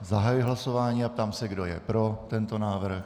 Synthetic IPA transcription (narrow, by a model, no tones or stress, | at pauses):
zaɦajujɪɦlaso̞vaːɲiːap̚t̪aːmsɛɡdo̞jɛ̰pɾo̞t̪ɛnt̪o̞naːvr̩x